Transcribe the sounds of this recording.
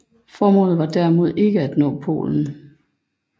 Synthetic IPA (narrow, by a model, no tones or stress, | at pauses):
fɒːmɔ̰̽ːð̩ˠʋɑ̈d̥æɐmo̝ð̞ˠe̝ɡ̥əæd̥nɔ̰̽ːpʰo̝̰ːln̩